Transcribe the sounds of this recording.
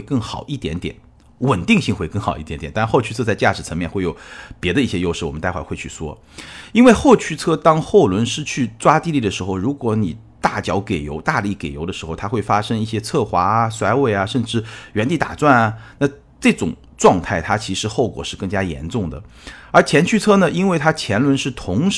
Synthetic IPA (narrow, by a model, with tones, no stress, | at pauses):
we˥˧ɪkɤ˥˩ŋxɑ˨˩ʊʔi˥˩t̪jɛ˧˥nt̪jɛ̰˨˩˦n | wə˨˩nt̪i˥˧ŋɕi˥˧ŋxwe˥˧ɪkɤ˥˩ŋxɑ˨ʊi˥˩jɛ˧˥njɛ˨˩nt̪xo˥˧ʊy˥˧t͡sʰɤ˥t͡sa˥˧ɪt͡ɕja˥˩ʂɻ̩˨˩t͡sʰɤ˧˥ŋmjɛ˥˧nxwe˥˩ɪo˨˩ʊpjɛ˧˥d̪ə˧i˥˩ɕjɛ˥jo˥ʊʂɻ̩˥˩wɔ˨˩m˦t̪a˥˧ɪxwa˥˩ɪxwe˥˧ɪt͡ɕʰy˥˩swɔ̰˥ | i˥nwe˥˧ɪxo˥˩ʊt͡ɕʰy˥t͡sʰɤ˥˩t̪ɑ˥ŋxo˥˩ʊlwə˧˥nʂɻ̩˥t͡ɕʰy˥˩t͡swa˥t̪i˥˧li˥˩d̪ə˩ʂɻ̩˧˥xo˧ʊɻu˧˥kwɔ˧˥ni˨˩ | t̪a˥˩t͡ɕjɑ˧˥ʊke˨˩ɪjo˧˥ʊt̪a˥˧li˥˩ke˨˩ɪjo˧˥ʊd̪ə˧ʂɻ̩˧˥xo˥˧ʊt̪ʰa˥xwe˥˩ɪfa˥ʂɤ˥ŋi˥˩ɕjɛ˥t͡sʰɤ˥˩xwa˧˥˧swa˧˥ɪwe˥˩ɪɐ˩ʂə˥˧nʈ͡ʂɻ̩˥˩ɥɛ˧˥nt̪i˥˩t̪a̰˨˩t͡swa˥˩nɐ˩na˥˧ | ʈ͡ʂɤ˥˩ʈ͡ʂʊ̰˨˩ŋ | ʈ͡ʂwɑ˥˧ŋt̪ʰa˥˩ɪt̪ʰa˥t͡ɕʰi˧˥ʂɻ̩˧˥xo˥˩ʊkwɔ̰˨˩ʂɻ̩˥˧kɤ˥˩ŋt͡ɕja˥jɛ̰˧˥nʈ͡ʂʊ˥˩ŋd̪ə̰˩ | ə˞˧˥t͡ɕʰjɛ˧˥nt͡ɕʰy˥˧t͡sʰɤ˥nə˨ʔi˥nwe˥˩ɪt̪ʰa˥t͡ɕʰjɛ˧˥nlwə˧˥nʂɻ̩˥˩t̪ʰʊ˧˥ŋʂ